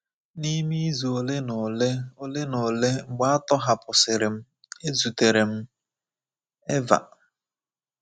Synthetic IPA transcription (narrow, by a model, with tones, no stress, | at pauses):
ni˦mi˦zu˨o˨le˦n˨le˦o˦le˦no˨le˦ŋ͡m̩˨ɡ͡ba˦a˦tɔ˦ɦa˨pʊ˨sɪ˨ɾɪ˨m̩˦ | e˦zu˨te˨ɾe˨m̩˦ | e˦va̰˨